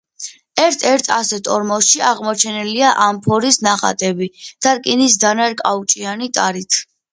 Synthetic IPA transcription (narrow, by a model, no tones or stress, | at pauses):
ɛɾt̪ʰɛɾt̪ʰasɛt̪ʰʼɔɾmɔsʃiaʁmɔt͡ʃʰɛnɛliaʔampʰɔɾisnaχa̰t̪ʼɛbid̪̥aɾkʼinisd̪anaɾkʼaut͡ʃʼianit̪ʼaɾit̪ʰ